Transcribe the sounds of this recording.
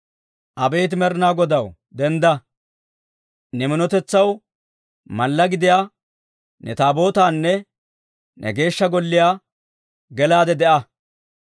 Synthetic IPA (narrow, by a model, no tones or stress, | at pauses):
ʔɐbɛjːt̪ɪmɛɾnaːɡɔd̪ɐw | d̪ɛnd̪ɐ | nɛmɪnɔt̪ɛt͡sːɐw | mɐlːɐɡɪd̪ɪjaː | nɛt̪aːbo̞ːt̪aːnːɛ | nʔɛ̰ɡe̞ːʃːɐɡɔlːɪjaː | ɡɛlaːd̪ɛd̪ɛʔɐ